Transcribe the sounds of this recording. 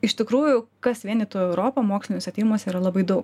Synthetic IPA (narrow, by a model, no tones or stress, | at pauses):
ɪʃt̪ʲɪkɾuːjʊkɐsʋʲiɛnɪt̪oːɛʊɾoːpɐmoːksʲlʲɪnɪsɐt̪ʲiːɾʲɪmoːsʲiːɾɐlˠɐbɐɪd̪ɐʊk